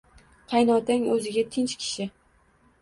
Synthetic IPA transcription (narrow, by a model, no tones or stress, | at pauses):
qʰɑjnɒt̪ʰaŋɵzɪɡʲat̪ʰɪnt͡ʃkʲʰɪ̥ʃɪ